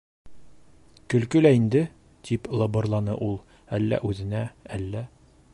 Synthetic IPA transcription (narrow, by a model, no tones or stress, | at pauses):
kɵ̆lkɵlæind̪ɘ | t̪iplˠɤbɤ̆rlˠɑnɤ̰ʔulˠ | ælːæ̰ʔʉzɘ̆næælːæ